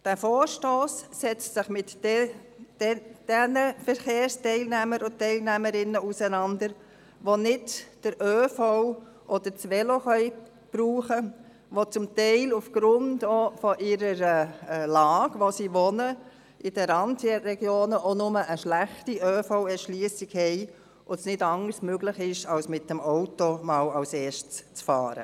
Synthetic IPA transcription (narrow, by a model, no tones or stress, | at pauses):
d̥æfoːɾʃtoːsːɛt͡stsɪχmɪt | d̥ɛnəfəɾχeːɾstɛɪlnæməɾʊtɛɪlnæməɾɪnːəusənɑndəɾ | ʋonɪdd̥əɾʔøːfow | ʔɔd̥əɾt͡sʋɛloχœʏ | b̥ɾuːχə | ʋot͡sʊmtɛɪlufɡ̥ɾʊndofɔʔɪɾəɾəlɑːɡ̥ʋosiːʋɔnə | ʔɪd̥əɾɑntiəɾɛɡ̥joːnəʔonʊməʔəʃlæχtiʔøːfɔʊɛʃliːəsiɡhɛɪ | ʔʊsnɪdɑŋəɾsmøɡlɪχɪʃɑwsmɪt̚dəmɔwtomɑːwɑwseːʃtst͡sfɑ̰ːɾə̰